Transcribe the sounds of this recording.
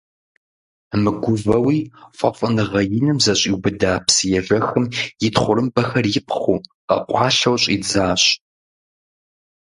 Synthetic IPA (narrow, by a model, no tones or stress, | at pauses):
mɨɡʷʊvɐwiːfʷʼɐ̰fʼɨnɨʁɐjɪnɨmzɐɕʼiwbɨdaːpsjɛʒɐxɨmjɪtχʷʊɾɨmbɐxɐrjɪpʰχuqɐ̰qʷʰʼɑːɬɐwɕʼid͡zaːɕ